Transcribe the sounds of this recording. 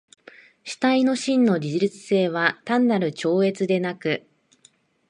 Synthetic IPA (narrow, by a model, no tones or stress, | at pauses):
ɕi̥t̪aino̞ɕĩnːo̞ɾʲiʑiɾit͡sɨ̥se̞ːβ̞at̪ãnːaɾɯ̟t͡ɕo̞ːe̞t͡sɨd̪e̞nakɯ̟